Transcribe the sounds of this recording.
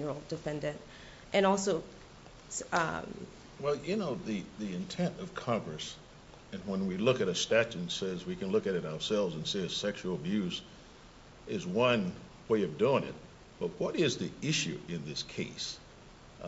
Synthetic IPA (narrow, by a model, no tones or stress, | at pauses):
ə˞lˠd̥ɨfɛ̃ndɨ̃nt | ʔɨ̃nɔlˠsoʊ | ʌ̰ | wɛlˠjɨnoʊðiðiɨ̃ntʰɛ̃ntʌv̥kʰɑ̃ŋɡɹɨs | ɨ̃nwə̃nwilʊkɨɾɨstæt͡ʃɨ̃nsɛzwikɨ̃nlʊkɨɾɨɾaʊə˞sɛlˠvzɨ̃nseɨsɛkʃul̩ˠəbjʉz | ɪzwʌ̃n | weɪʌvduɪ̃ŋɪ̰t̚ | b̥ʌt̚wʌɾɪzðiɪʃʉ̰ʔɪ̃nðɪskʰeɪs